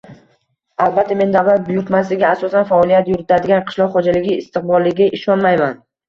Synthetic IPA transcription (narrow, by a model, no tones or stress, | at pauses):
alˠbat̪ʰːame̞nd̪aʁlaɾbʊjʊɾt̪mas̬lɪɡʲaːsɒsanfaɒlijat̪jʊɾɪt̪ʰad̪ɪɡʲanqʰɨ̥ʃlˠɒqχɒd͡ʒalɪɡʲɪːst̪ɨq̚bɒlˠːɪɡʲaʔɪʃɒnmajman